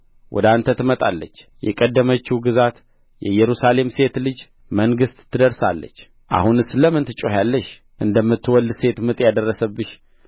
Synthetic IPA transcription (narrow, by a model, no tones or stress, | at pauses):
wʔɔ̰d̪ant̪ʰət̪ʰɨmət̪ʼalːə̰t͡ʃːjɛ̰kʼəd̪ːəmət͡ʃːuɡɨzat̪ | jɛ̰jɛɾusale̞mse̞t̪lɨd͡ʒ | məŋɡɨst̪ʼt̪ʰːɨd̪əɾsalːə̰t͡ʃː | ʔa̰hunɨsləmɨnt̪ʰɨt͡ʃʼohalːəʃ | ʔɨnd̪əmːɨt̪ːɨwɔld̪se̞t̪mɨt̪ʼjad̪ərːəsəbːɨʃ